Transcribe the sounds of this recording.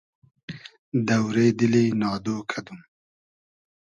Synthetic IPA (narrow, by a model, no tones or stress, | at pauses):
d̪awɾeːd̪ilenɑːd̪oːkʰad̪um